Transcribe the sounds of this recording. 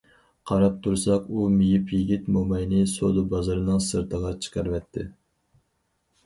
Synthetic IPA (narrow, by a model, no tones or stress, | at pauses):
qʰɑɾɑp̚t̪ʰuɾsɑqumijipʰjiɡʲit̪momɑjnɨsod̪ɨbɑzɨɾɨnɨŋsɨɾt̪ʰəʁɑt͡ʃʰə̥qɑɾvɛt̪ʰːɪ̰